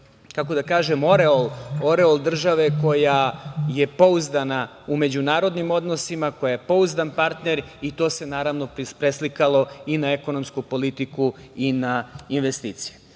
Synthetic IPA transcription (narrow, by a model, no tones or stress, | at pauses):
kako̞d̪akaːʒemo̞ɾeolˠo̞ɾeolˠd̪r̩ʒaʋe̞ko̞jaje̞po̞uzd̪ana | ume̞d͡ʑunaːɾo̞d̪nimo̞d̪no̞simako̞jajepo̞uzd̪anpaɾt̪ne̞ɾit̪o̞ːse̞naːɾaʋno̞ppɾeslikalˠo̞inaeko̞no̞mskupo̞lit̪iku | inainʋest̪iːt̪si̥je